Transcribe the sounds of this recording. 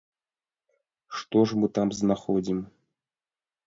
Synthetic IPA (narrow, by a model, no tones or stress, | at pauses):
ʂt̪oʐmɨt̪ɑmznɑχodʲim